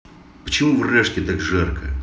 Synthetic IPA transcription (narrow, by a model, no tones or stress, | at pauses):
pə̥t͡ɕɪmuvrɛʂkʲɪt̪akʐɛrkʰə̰